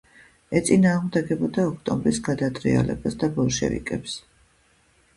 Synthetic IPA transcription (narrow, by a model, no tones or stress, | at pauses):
ɛt̪sʼinaːʁmd̪ɛɡɛbɔd̪aɔkʰt̪ʼɔmbɾisɡad̪at̪ʼɾḭa̰lɛ̰basd̪abɔlˠʃɛ̰vḭkʼɛps